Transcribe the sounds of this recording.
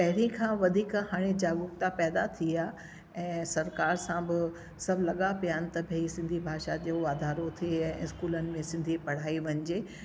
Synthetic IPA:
pɐɦɪɽĩkʰãʋɐd̪ʱiːkɦaːɽ̃ed͡ʑaːɡʊkt̪apɛːd̪at̪ʰia | ɛ̃ːsɐɾkaːɾsãbɪ | sɐbʱlɐɠapijaːnɪ̆t̪ɐbʱeːisɪ̃nd̪ʱibʱaːʃad͡ʑoʋaːd̪ʱaːɾot̪ʰieɛ̃ɪskuːlənɪ̆mẽsɪ̃nd̪ʱipɐɽ̤aːiʋɐɲd͡ʑeː

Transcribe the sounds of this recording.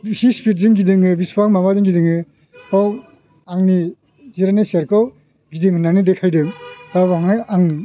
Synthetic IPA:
sispit̚zɯŋɡidɯŋɯbispakmamazɯŋɡidɯŋɯ | kʰaw | aŋni | ziɾaneseɾkʰaw | ɡidɯŋhɯnːanɯdekʰajdɯmdabaŋajaŋ

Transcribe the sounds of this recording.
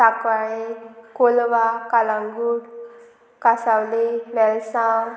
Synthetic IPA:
akʋaɭekolʋakalãŋɡuɽ | kasawlenɛlsaw

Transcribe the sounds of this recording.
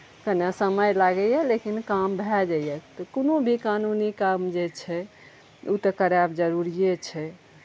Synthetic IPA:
kənasəməjlaɡɛjɛlekinkambʱɛd͡ʒaijɛt̪ɔkonobʱikanunikamd͡ʒet͡ʃʰɛ | ut̪əkəɾjabd͡ʒəɾuɾiet͡ʃʰɛ

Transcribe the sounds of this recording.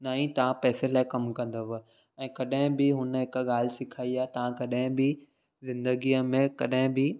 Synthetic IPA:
naːĩt̪ɐʋ̤ãpɛːselaːɪkɐmkɐ̃nd̪əʋ | ɛ̃ːkɐɗɦɪ̃bɪɦʊnəɦɪkəɠaːl̤ɪsɪkʰaːiaːɦet̪ɐʋ̤ãkɐɗɦɪ̃bɪ | zɪ̃nd̪əɡiːəmẽkɐɗɦɪ̃bɪ

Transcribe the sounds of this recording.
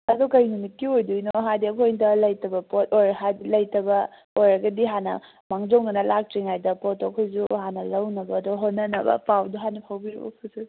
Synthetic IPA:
ɐdɔkɐjnumit̚kiojdujnoɦadiɐkʰojndɐlɐjtɐbɐpotojɾɐɦadilɐjtɐbɐ | ojɾɐɡɐdiɦanɐ̰ | maŋzoŋɡɐnɐlak̚t͡ʃiŋajdɐpotokʰojzuhanɐlɐwnɐbɐːdɔɦonːɐnɐbɐ̰pawdɔɦanɐpʰawbiɾḭbɐ̰kʰusu

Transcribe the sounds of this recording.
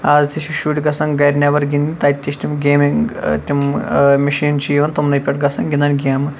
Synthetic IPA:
aːzt̪ʰiʃiʃuːʈʲɡɐsɐ̃ŋɡɐjɾnʲɐʋɐɾɡʲind̪int̪ɐːt̪ʲːiʃt̪ʲimɡeːmiŋt̪ʲimmʲɐʃiːnt͡ʃʰijʋɐnt̪umnɐjpʲɐʈɡɐsɐŋɡʲind̪ɐnʲɡʲiaːmɨ

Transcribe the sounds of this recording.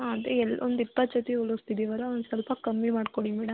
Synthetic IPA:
aɐd̪eɛlːʔɔnd̪ipːat͡ʃɐt̪ːiulɐst̪ʰit̪iʋɐɾɐɐʋɐnsɐlpɐkɐmbimaːɽkoɽimɛːɽɐm

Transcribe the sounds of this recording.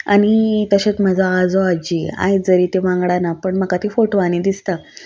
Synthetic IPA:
a̰ɽ̃it̪əɕet͡sm̤əd͡zʱaːd͡zɔad͡ʑia̰jd͡zəɾit̪eʋãŋɡɽanapəɳməkat̪ifoʈoʋañid̪ist̪a

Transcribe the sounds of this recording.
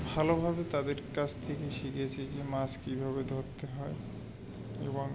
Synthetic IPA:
bʱalobʱabet̪ad̪eɾkat͡ɕʰt̪ʰekeʃiket͡ɕʰed͡ʑemaskibʱabed̪ʱoɾt̪eɦɔe | ḛboŋ

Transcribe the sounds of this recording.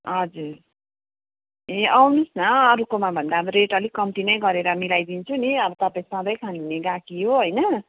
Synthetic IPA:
ɦʌd͡zuɾ | eʔawnusnʌːɾukomabʱʌnd̪abɾeʈʌlikʌmt̪inʌjɡʌɾeɾʌmilajd̪int͡sʰuniʌbʌt̪ʌpaĩsʌd̪ʌjkʰaniuneɡakiɦoɦojnʌ

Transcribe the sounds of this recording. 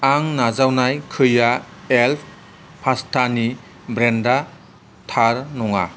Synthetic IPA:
aŋnazawnajkʰɯjaelpʰ | pʰastʰani | bɾenda | tʰaɾnɔŋa̰

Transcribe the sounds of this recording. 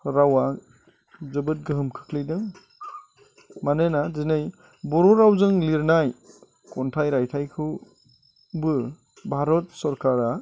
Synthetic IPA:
ɾawa | zɯbɯt̚ɡɯɦɯmkʰɯ̥kʰlɯjdɯŋ | manɯnazinɯj | bɔɾɔɾawzɯŋliɾnaj | kɔntʰajɾajtʰajkʰɯw | bɯ | bʱaɾɔt̚sɔɾkaɾa

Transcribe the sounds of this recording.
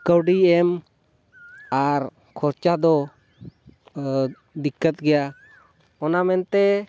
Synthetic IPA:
kəwɖiɛm | aɾ | kʰɔɾt͡ʃad̪ɔ | d̪ikːət̪̚ɡɛja | ɔnamɛnt̪ɛ

